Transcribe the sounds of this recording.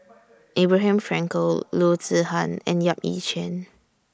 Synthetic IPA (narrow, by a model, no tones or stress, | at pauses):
ʔebɹaɦɛ̃mfɹɛ̃ŋkəlotəhãnɛ̰̃njapḭt͡ʃə̃n